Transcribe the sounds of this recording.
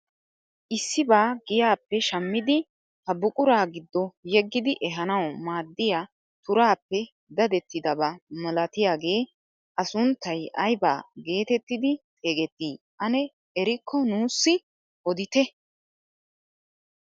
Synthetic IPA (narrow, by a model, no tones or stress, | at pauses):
ʔɪsːɪbaːɡɪjaːpːɛʃɐmːɪd̪ɪ | hɐbʊkʼʊɾaːɡɪd̪ːɔjɛɡːɪd̪ɪʔɛɦɐnɐwmaːd̪ːɪja | t̪ʊɾaːpːɛ | d̪ɐd̪ɛt̪ːɪd̪ɐbɐmɐlɐt̪ɪjaːɡe̞ː | ʔɐsʊnt̪ːɐjʔɐjba̰ːɡe̞ːt̪ɛt̪ːɪd̪ɪt̪ʼeːɡɛt̪ːiː | ʔɐnɛ | ɛɾɪkʰːɔnuːsːɪ | ʔɔd̪ɪt̪ɛ